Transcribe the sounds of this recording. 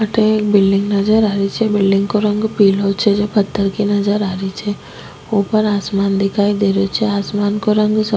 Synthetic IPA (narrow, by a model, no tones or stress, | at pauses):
aʈʰek̚bɪlɖɪ̃ŋɡnɐd͡ʒəɾaːɾit͡ʃʰɛbɪlɖɪ̃ŋɡkoɾɐ̃ŋɡpiːlot͡ʃʰɛd͡ʒoːpɐt̪ːəɾkinɐd͡ʒəɾaːɾit͡ʃʰɛ | oːpɐɾaːsmaːnd̪ɪkʰaːid̪eːɾot͡ʃʰɛaːsmaːnkoɾɐ̃ŋɡsɐ